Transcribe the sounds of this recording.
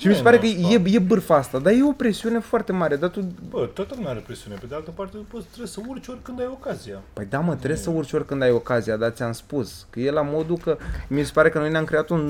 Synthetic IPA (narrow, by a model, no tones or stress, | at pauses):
ʃimisepaɾekəje̞je̞bɨrfaast̪ad̪aje̞o̞pɾe̞siune̞foart̪e̞maɾe̞d̪at̪ubət̪ot̪əlunaaɾepɾesiune̞ped̪ealt̪əpart̪eupot̪t̪ːɾesəurʲt͡ʃeorʲkɨnd̪ajo̞kazijapəjd̪amət̪ɾe̞ssəurʲt͡ʃeo̞rʲkɨnd̪ajo̞kazijad̪at̪sʲiamspuskəje̞lamo̞d̪ukəmise̞paɾe̞kənojneamkɾejat̪un